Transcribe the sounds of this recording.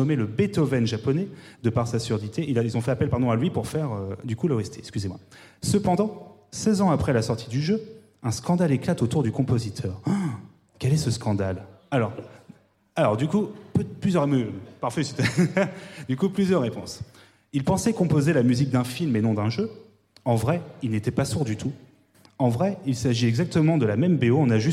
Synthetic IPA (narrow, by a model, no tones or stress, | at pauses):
ɔmeləbet̪ɔvɛnʒapɔnɛ | d̪əpaʁsasyʁd̪it̪ʰeʔililzɔ̃fɛapɛlpaʁd̪ɔ̃alɥipuʁfɛʁød̪ykulaɛst̪eɛskʲyzemwa̰səpɑ̃d̪ɑ̃ | sɛzɑ̃apχɛlasɔʁt̪ʰid̪yʒø | ɛ̃skɑ̃d̪aleklat̪ot̪uʁd̪ykɔ̃pozit̪ʰœːʁ | kʲɛlɛsəskʰɑ̃d̪al | alɔʁ | alɔʁd̪ykupplyzjœʁemøpaʁfɛsit̪ | d̪ykuplyzjœʁːepɔ̃s | ilpɑ̃sɛkɔ̃pozelamyzik̚d̪ɛ̃filmenɔ̃d̪ɛ̃ʒø | ɑ̃vʁɛilnet̪ɛpasuʁd̪yt̪ʰu | ɑ̃vʁɛilsaʒiɛɡzak̚t̪əmɑ̃d̪əlamɛmbeoɔ̃naʒy